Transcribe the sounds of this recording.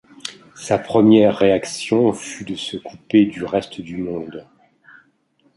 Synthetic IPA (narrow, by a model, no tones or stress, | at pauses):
sapχəmjɛʁːeaksjɔ̃fyd̪əsəkuped̪yʁɛst̪d̪ymɔ̃d̪